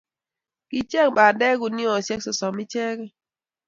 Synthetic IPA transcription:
ki˨t͡ʃɛ˦k̚ɓa˨dɛ˦ɡu˨ni˦ɔ˨sjɛ˦ksɔ˨sɔ˨mi˦t͡ʃɛ˦kɛ˦

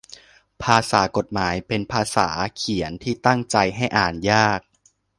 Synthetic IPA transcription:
pʰaː˧saː˩˦ko˨˩t̪̚maː˩˦jpe˧npʰaː˧sa̰ː˩˦kʰi˨˩˦ənt̪ʰiː˥˩t̪a˥˩ŋt͡ɕa˧jɦa˥˩jʔaː˨˩njaː˥˩k̚

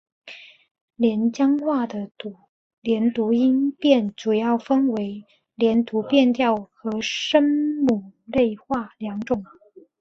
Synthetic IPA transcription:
ljɛ˧˥nt͡ɕjɑ˥ŋxwa˥˩d̪ə˩˨˩ | ljɛ˧˥nt̪u˧˥i˥npjɛ˥˩nʈ͡ʂu˨˩jɑ˥˩ʊfə˥nwe˧˥ɪ | ljɛ˧˥nt̪ʰu˧˥pjɛ˥˧nt̪jɑ˥˩ʊxɤ˧˥ʂə˥nmu˨˩le˥˧ɪxwa˥˩ljɑ˧˥ŋʈ͡ʂʊ˨˩˦ŋ

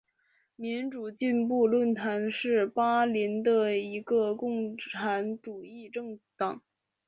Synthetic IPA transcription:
mi˧˥nʈ͡ʂu˨˩t͡ɕi˥˧np̬u˥˧lwə˥˩nt̪ʰa˧˥nʂɻ̩˥˩pa˥li˧˥nd̪ə˧i˧˥ɡə˧kʊ˥˩ŋʈ͡ʂʰa˧˥nʈ͡ʂu˨˩i˥˧ʈ͡ʂɤ˥˩ŋt̪ɑ˨˩˦ŋ

